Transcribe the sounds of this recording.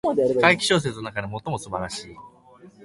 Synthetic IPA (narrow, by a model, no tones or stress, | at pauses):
kaikʲi̥ɕo̞ːs̬e̞t͡sɨno̞nakad̪emo̞t̪ːo̞mosɨbaɾaɕiː